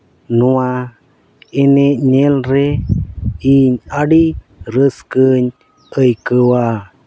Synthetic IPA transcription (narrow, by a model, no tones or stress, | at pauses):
nua | eneɲelɾe | iɲaɽi | ɾəskəɲ | əjkəwa